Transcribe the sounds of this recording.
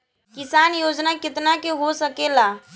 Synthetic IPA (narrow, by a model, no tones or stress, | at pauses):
kɪsaːnjoːd͡ʒnakɪt̪nakeɦosəkeːlaː